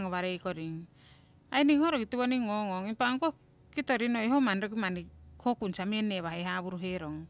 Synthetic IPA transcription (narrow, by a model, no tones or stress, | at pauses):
ŋoβaɾejkoɾiŋ | ajniŋhoɾokitiβoniŋoŋoŋipaŋko | kitoɾinojɦomanɾok̬imanikʰokunsamieneβahejɦaβuɾuɦeɾoŋ